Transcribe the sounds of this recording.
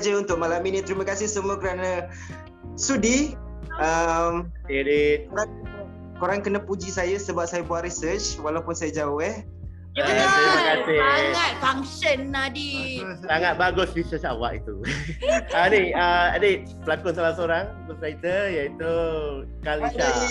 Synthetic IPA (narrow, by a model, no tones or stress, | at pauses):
d͡ʒəunt̪ʊk̚malaminit̪ɾiməkasɪhsəmũəkəɾanə̃ | sudi | əm | eadekoɾaŋkənə | koɾaŋkənəpud͡ʒisajəsəbap̚sajabuaʔrɾisət͡ʃwalawpʊnsajad͡ʒaʊhɛh | jəəat̪iməkasɪhaŋat̪̚faŋsənːadisaŋat̪̚baɡʊsɾisət͡ʃa̰wa̰ʔḭt̪u | əniəade | bəlakʊnsalasoɾaŋ | kəsɾait̪əjait̪u | kalisa